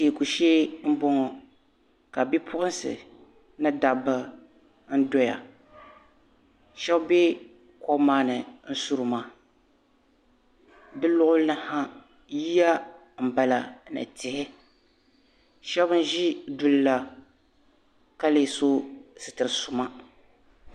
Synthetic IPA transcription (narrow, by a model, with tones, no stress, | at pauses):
iː˨ku˨ʃeː˦m̩˦bʊ˦ŋɔ˨ | ka˨bi˦pʰʊ˦ʔʊ˦n˦sɨ̰˨ | nɨ˦da˨bɨ˦ | n̩˦dɔ˦ja̰˨ | ʃɛ˦bbɛ˦ | kɔ˦maː˦nɨ˨n̩˦su˦ɾɨ˨ma˨ | dɨ˦lʊ˦ʔʊ˦nɨ˦ha˦ | ji˦ja˦ | m̩˨ba˨la˨nɨ̰˨tɪ˨hɪ˦ | ʃɛ˦bɨ˦n̩˦ʒi˦du˨lla˨ | ka˦le˨so˦sɨ˨tɨ˨ɾɨ˨sʊ˨ma˦